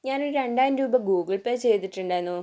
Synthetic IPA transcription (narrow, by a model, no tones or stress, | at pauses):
ɲaːnoɾɾe̞ɳɖaːjɐnɾuːbɐɡuːɡiɭpeːt͡ɕe̞jt̪iʈːuɳɖaːjenːu